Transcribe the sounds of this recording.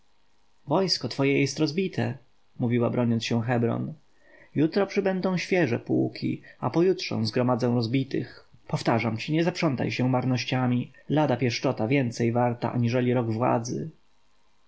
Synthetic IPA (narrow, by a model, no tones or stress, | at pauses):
vɔjskɔt̪fɔjɛjɛst̪ɾɔzbʲit̪ʰɛ | muvʲiwabɾɔɲɔnsɕɛw̃xɛbɾɔ̰n | jut̪ɾɔpʂɘbɛnd̪ɔ̃w̃ɕfʲjɛʐɛ̰pṵkʲʰḭapɔjutʂɔ̰zɡɾɔmad̪zɛw̃ɾɔzbʲit̪ɘ̰xpɔft̪aʐamt͡ɕiɲɛzapʂɔnt̪a̰jɕɛ̃maɾnɔɕt͡ɕamʲilad̪apʲjɛʂt͡ʂɔt̪avʲjɛnt̪sɛjvaɾt̪a̰ʔa̰ɲiʐɛlʲiɾɔɡvwa̰d̪zɘ̰